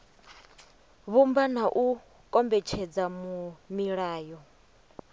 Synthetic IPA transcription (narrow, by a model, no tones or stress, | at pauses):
βumban̤aʔu | kʼɔmbɛt͡ʃʰɛd͡zamumiɺaːjɔ